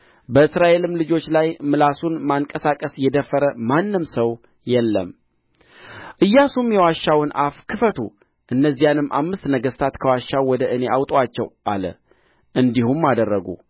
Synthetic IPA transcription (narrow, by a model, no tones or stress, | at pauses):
bəɨsɾaʔe̞lɨmlɨd͡ʒo̞t͡ʃːlajmɨlasunmaŋkʼəsakʼəsjɛd̪əfːəɾəmanːɨmsəw | jɛlːə̰m | ʔɨjːasumjɛwaʃːawɨna̰fkʰɨfət̪ʰṵ | ʔɨnːəzːijanɨmːʔa̰mːɨst̪nəɡəst̪ʰat̪kʰəwaʃːawwːɔd̪əʔɨne̞ʔawt̪ʼat͡ʃːɛ̰wʔa̰lə̰ | ʔɨnd̪ihumːad̪ərːəɡṵ